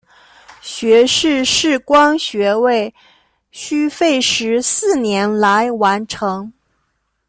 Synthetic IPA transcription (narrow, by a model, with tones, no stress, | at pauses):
ɕɥɛ˧˥ʂɻ̩˥˧ʂɻ̩˥˩kwɑ˥ŋɕɥɛ˧˥we˥˩ɪ | ɕy˥fe˥˩ɪʂɻ̩˧˥sɹ̩˥˩njɛ˧˥nla˧˥ɪwa˧˥nʈ͡ʂʰɤ˧˥ŋ